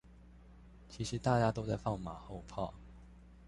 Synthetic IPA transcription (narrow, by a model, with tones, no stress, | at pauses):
t͡ɕʰi˧˥ʂɻ̩˨˧˥t̪a˥˧t͡ɕja˥t̪o˥ʊt͡sa˥˧ɪfɑ˥˩ŋma˨˩˦xo˥˧ʊpʰɑ˥˩ʊ